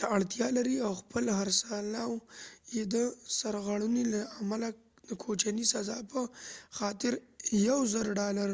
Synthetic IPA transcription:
t̪aaɽt̪jɑlaɾiawxpəlɦaɾsalawjed̪əsaɾɣaɽunilaamala | d̪̥əkʰot͡ʃanisazɑpəxɑt̪ɪɾjawzəɾɖɑlaɾ

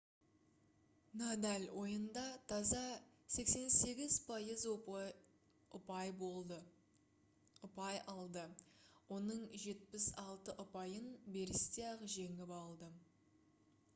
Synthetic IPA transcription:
nad̪alʲwo̞jənd̪ɑt̪ʰɑzɑ | se̞kse̞nse̞ɡʲɪz̥pʰɑjəz | ʊpɑjbo | ʊpɑjɑlˠd̪əwo̞nəɴʒe̞t̪̚pɪsɑlˠt̪əʔʊpɑjənbe̞ɾɪst̪eɑʁʒe̞ŋɪpɑlˠd̪ə

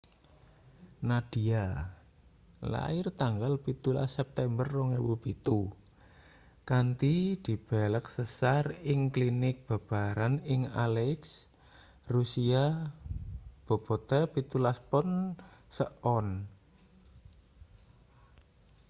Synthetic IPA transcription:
nad̥i̤a | la̰ɪrt̪aŋɡalpit̪ula̰sːɛp̚t̪ɛmbərːɔŋewub̥it̪u | kant̪id̪̥i̤b̥ɛlək̚səsarɪŋklinɪk̚b̥a̤b̥aɾanɪŋalɛks | rusia | b̥o̤b̥ɔt̪ɛpit̪ulaspɔnsəʔɔn

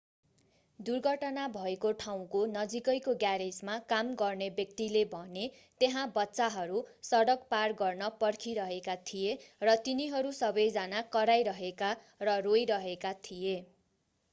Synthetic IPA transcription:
d̪urɡʱʌʈʌnabʱʌekoʈʰaw̃konʌd͡zikʌjkoɡjaɾed͡zmakamɡʌrnebjʌk̚t̪ilebʱʌne | t̪eɦãbʌtːsaɦʌɾusʌɽʌkparɡʌrnʌpʌrkʰiɾʌɦekat̪ʰijerʌt̪iniɦʌɾusʌbʌjd͡zanakʌɾajɾʌɦeka | rʌrojɾʌɦekat̪ʰije

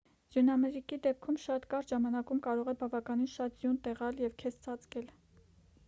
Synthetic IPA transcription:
z̥junɑmɛɾikid̪ɛp̚kʰumʃɑt̪kɑɾʒɑmɑnɑkumkɑɾɔʁɛbɑvɑkɑninʃɑt̪zjunt̪ɛʁɑljɛvkʰɛst͡sʰɑt͡skɛl

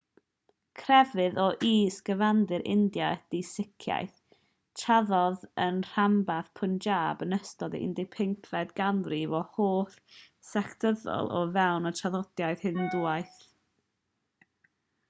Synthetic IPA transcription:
kʰrɛvɨðɔʔiːsɡ̥əvandɨɾʔɪ̰ndjad̥isɪkʰja̰jθ | tʰaðɔðənr̥ambaðpʰʊnd͡ʒaːbənəstɔdə̰ɪ̰ndɪpʰɪŋkʰlɛdɡanrivɔhoːθ | sɛktʰəðɔ̰lˠʔɔ̰vɛwnɔtʰaðɔd̥jajð̥hɨnduajθ

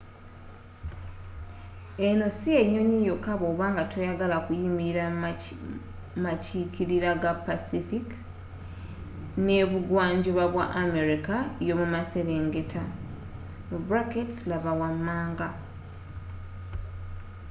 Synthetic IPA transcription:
e̞no̞sieɲo̞nijo̞kaβoːβaːŋɡatʰojaɡalakujimiɾa | macikiɾiɾaɡapːasifik | ne̞βuɡwaːɲɟoβaβwaʔːme̞ɾikajo̞mumaseɾe̞ːŋɡe̞tʰa | bɾaketslaβawamːaːŋɡa

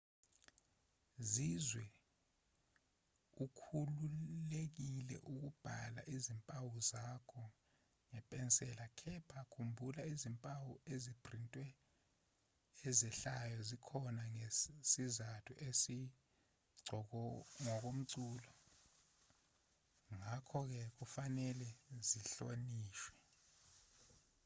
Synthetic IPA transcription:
zizwɛ | ukʰululek̬ilɛ̰ʔuk̬ub̥ʱala̰ʔizimpʼawuzakʰɔ | ŋɛpʼɛnsʼɛlakʰɛpʰakʰumbʱulaizimpʼawuezib̥ʱrintʼwɛ | ɛzɛɬajɔzikʰɔnaŋesizatʰuʔesi | ɡ͡ǀʱɔŋɔk̬om̩ǀuːlɔ | ŋakʰɔk̬ɛk̬ufanɛlɛziɬoniːʃwɛ

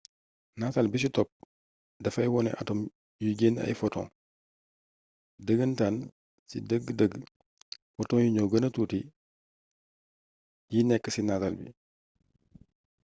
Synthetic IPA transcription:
natalbis̬itɔp̚ | dɐfɐjwɔnɛ̰ʔɐ̰tɔm | juɡeːnɐ̰jfɔtɔ̰̃ŋ | dəɡəntaːn | sḭdəɡdəɡ | fɔtɔ̃ŋjuɲɔɡənɐtuːti | jinɛkːəsinatalbḭ

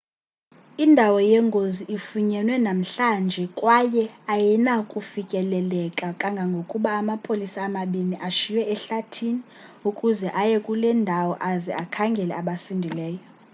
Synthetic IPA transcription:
indʱawɔjɛŋɡʱoziʔifuɲɛnwɛnam̩ɬand͡ʒʱɛkʼwajɛajɛnakʼufikʼɛlɛlɛkʼakʼaŋɡʱaŋɡʱokʼuɓaːmapʰʼolisaːmaɓiniʔaʃiwɛːɬatʰini | ukʼuzɛʔajɛkʼulɛndʱawɔʔazɛ̰akʰaŋɡʱɛlɛ̰aɓasindʱilɛːjɔ

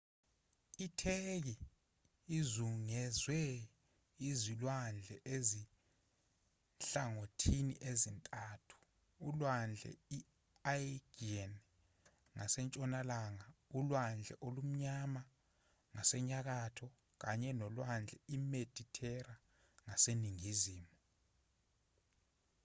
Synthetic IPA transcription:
itʰek̬i | izuŋɛzwɛ | izilwand͡ɮʱɛʔezi | nɬaŋotʰinḭʔezintʼaːtʰu̥ː | lwand͡ɮʱɛ̰i | ajɡiɛn | ŋasɛnt͡ʃʼɔnalaŋaulwand͡ɮʱɛ̰ʔolum̩ɲama | ŋasɛɲak̬atʰɔ | k̬aɲɛnɔlwand͡ɮʱɛimed̥ʱitʰɛra | ŋaseniŋiziːmu

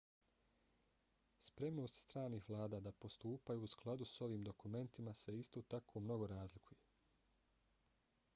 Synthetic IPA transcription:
spɾe̞mno̞ːst̪st̪ɾaːniːxʋlˠaːd̪aːd̪apo̞st̪uːpajuːsklˠad̪uso̞ʋiːmd̪o̞kume̞nt̪imase̞ist̪oːt̪akʰo̞mno̞ɡo̞ɾaːzlikʰuje

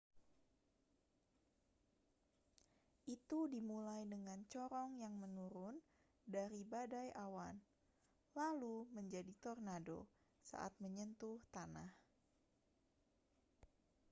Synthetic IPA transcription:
ʔit̪udimulajdəŋant͡ʃɔɾɔŋjaŋmənuɾʊn | daɾibadajʔawan | laluməɲd͡ʒadit̪ɔrnado̰ | sa̰ʔa̰t̪̚məɲənt̪uht̪anah

